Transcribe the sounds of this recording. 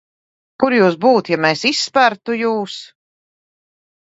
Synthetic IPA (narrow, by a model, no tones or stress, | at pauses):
kuɾjuːs̬buːt̪jamesisːpæɾt̪ujuːs